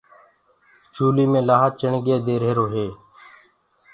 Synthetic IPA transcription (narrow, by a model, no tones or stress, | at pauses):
t͡ʃuːliːmẽːlaːɦat͡ʃəɳɡeːd̪eːɾɦeːɾoːɦeː